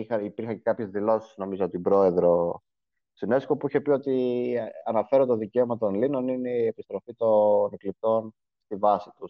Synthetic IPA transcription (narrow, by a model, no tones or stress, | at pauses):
ixɐipiɾxɐɲekɐpçe̞zðilo̞si̥sno̞mizopot̪ibɾo̞e̞ðɾo̞ | sine̞sko̞puiçe̞pio̞t̪iɐnɐfe̞ɾot̪oðice̞omɐt̪o̞nlino̞nineiepi̥st̪ɾo̞fit̪onklit̪o̞n | st̪ivɐsi̥t̪us